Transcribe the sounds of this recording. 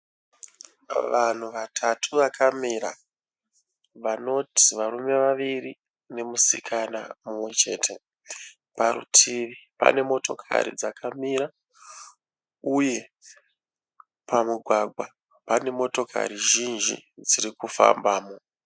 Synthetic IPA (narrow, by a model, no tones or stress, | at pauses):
ʋan̤uʋatʰatʰuʋakʰamiɾa̰ | ʋano̞ti̥ʋarume̞ʋaʋiri | ne̞musikʰana̰mumwe̞t͡ʃe̞ːtʰe̞ | paɾṵtʰiʋipa̰ne̞mo̞to̞kʰa̰ɾḭd͡zakʰamiɾa | uje̞ | pamuɡʱwaɡʱwa | pane̞mo̞to̞kʰa̰ɾiʒinʒḭd͡zirikufa̰mbaːmo